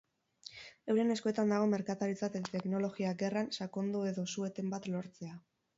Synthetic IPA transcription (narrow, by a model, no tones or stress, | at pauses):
e̞wɾe̞ne̞sko̞e̞t̪and̪aɣ̞o̞me̞ɾkat̪aɾit͡sat̪et̪e̞kno̞lo̞ɣiaɡe̞ransako̞nd̪ue̞ðo̞sue̞t̪e̞mbat̪lo̞ɾt͡se̞a